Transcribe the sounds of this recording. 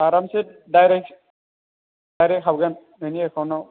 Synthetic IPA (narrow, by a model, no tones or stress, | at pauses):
aɾamset̚dajɾek̚ | dajɾɛkɦabɡan | eniɛkʰɔnɔ